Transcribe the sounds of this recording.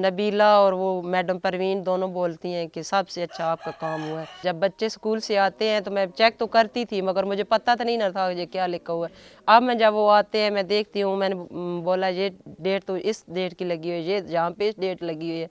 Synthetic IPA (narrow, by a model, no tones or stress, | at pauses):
nəbiːlaːɔːɾʋoːmɛːɖəmpəɾʋiːnd̪oːnõboːlt̪iɦɛ̃ːkesəbseɐtːʃʰaaːp̚kakaːmɦʊaɦɛːd͡ʒəbːətːʃeskuːlseaːt̪eɦɛ̃ːt̪omɛ̃ːt͡ʃɛːk̚t̪okəɾt̪it̪ʰiməɡəɾmʊd͡ʒʱepɐt̪at̪anəɦĩnat̪ʰajeːkjaːlɪkːaɦuɛːɐbmɛ̃ːd͡ʒəbʋoaːt̪eɦɛ̃ːmɛ̃ːd̪eːk̚ʰt̪iɦũmɛ̃ːneboːlajeɖeːʈt̪oʔɪsɖeːʈkiləɡiɦoijed͡ʒɐɦãːpeɪsɖeːʈləɡiɦoiɛː